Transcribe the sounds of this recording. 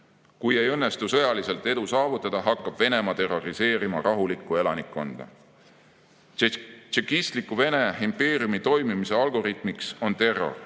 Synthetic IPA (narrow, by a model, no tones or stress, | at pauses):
kuje̞jɤ̞nːe̞st̪usɤ̞jɑlise̞lt̪ːˑe̞d̪̥usɑːvut̪ːˑɑd̪̥ɑɦɑkːˑɑb̥ve̞ne̞mɑt̪e̞ro̞ɾise̞ːɾimɑɾʔɑɦulikːˑue̞lɑnikːo̞nd̪̥ɑ̰ | t͡ʃekist̪likːˑuve̞ne̞impe̞ːɾiumit̪o̞jmimise̞ɑlɡo̞ɾit̪ˑmikso̞nt̪e̞rːo̞̰r